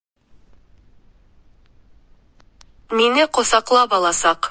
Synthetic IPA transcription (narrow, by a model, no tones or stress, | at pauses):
minɘqŏsɑqlˠɑpɑlˠɑsɑq